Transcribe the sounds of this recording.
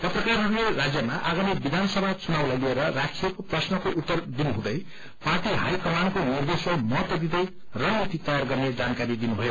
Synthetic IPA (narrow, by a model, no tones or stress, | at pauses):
t̪ʌprʌkarɦʌɾulerad͡zjʌmaʔaɡamibid̪ʱanʌsʌbʱat͡sunawlajlieɾʌrakʰijekoprʌsnʌkoʔut̪ːʌrd̪inuɦũd̪ʌj | paʈiɦajkʌmankonird̪esomʌt̪d̪id̪ʌj | rʌnit̪it̪ʌjarɡʌrned͡zankaɾid̪inubʱʌjo